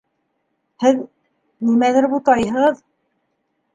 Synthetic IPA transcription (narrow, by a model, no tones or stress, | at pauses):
hɘð | nimæðɘɾbut̪ɑjɦɤ̆ʁɤð